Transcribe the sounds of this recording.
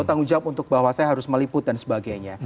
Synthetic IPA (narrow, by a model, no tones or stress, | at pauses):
ut̪aŋud͡ʒap̚unt̪ʊk̚baɦwasajaɦaɾʊsməliput̪̚dansə̥baɡajɲa